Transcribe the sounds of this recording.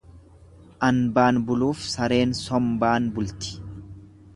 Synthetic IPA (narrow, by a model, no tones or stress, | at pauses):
ʔɐnbaːnbʊluːfsɐɾe̞ːnsɔmbaːnbʊlt̪ɪ̥